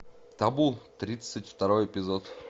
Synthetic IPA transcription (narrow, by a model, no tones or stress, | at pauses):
t̪abulˠt̪ɾʲit̪sɨtʲft̪ɐɾo̞jɪpʲɪzot̪